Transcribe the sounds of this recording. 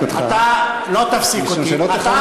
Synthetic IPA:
t̪at̪a | lot̪afsikoiloaa

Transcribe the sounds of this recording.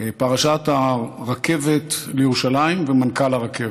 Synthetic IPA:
paʁaʃat̪aʁake̞vet̪lejeuʃalaimvemankalaʁakev

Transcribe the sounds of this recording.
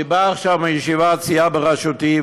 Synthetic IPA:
ibaːχʃavmajeʃivat͡siabeʁaʃot̪i

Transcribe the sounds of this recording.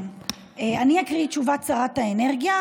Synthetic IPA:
eaniakʁit͡ʃuvatt͡saʁat̪aene̞ʁɡja

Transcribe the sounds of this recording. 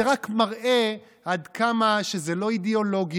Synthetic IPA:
eʁakmaʁʔe̞ | ad̪kʰamaʃe̞zelo̞id̪eo̞lo̞ɡj

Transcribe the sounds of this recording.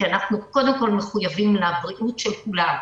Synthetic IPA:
ianaχnuko̞d̪e̞mko̞lmeχujavimlabʁiʔutʃelkulam

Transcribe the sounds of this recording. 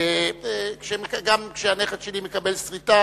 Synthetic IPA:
ekʃemekɡamkʃeaneχetʃelimekabelsʁita

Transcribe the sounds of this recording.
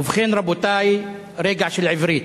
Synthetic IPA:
uvχenɾabot̪aj | ɾeɡʕʃelʕivɾit̪

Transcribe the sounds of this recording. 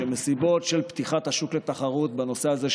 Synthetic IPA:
emesibo̞t̪ʃe̞lpt̪iχat̪haʃuklet̪aχaʁut̪bano̞se̞aze

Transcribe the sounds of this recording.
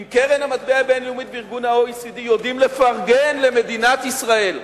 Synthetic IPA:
imkeʁenhamat̪̚beabenlumit̪̚beiʁɡunhaoisid̪ijod̪imle̞faʁɡenle̞me̞d̪inat̪isʁae̞l

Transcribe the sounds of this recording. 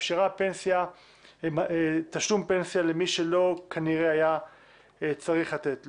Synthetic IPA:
ʃiʁapensja | mt̪aʃlumpe̞nsjale̞miʃe̞lo̞kʰaniʁeaja | et͡saʁiχlat̪etl

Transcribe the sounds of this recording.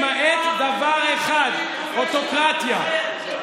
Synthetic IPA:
maʔet̪d̪avaʁeχad̪ | ʔot̪okʁat̪ja

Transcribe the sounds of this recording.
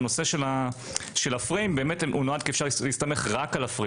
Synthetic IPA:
no̞se̞ʃelaʃelafʁiimbe̞ːmetʔunoad̪kiːfʃaʁlleist̪ame̞χʁakalafʁi

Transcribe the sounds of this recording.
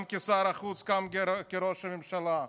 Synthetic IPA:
mkʲesaɾɐχut͡skamkeɾoʃamemʃala

